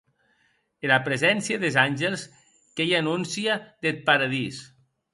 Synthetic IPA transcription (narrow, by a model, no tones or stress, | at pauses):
elapɾezɛnsjaðezanʲʒelˠs | kejanunsiaðet̪̚paɾaðis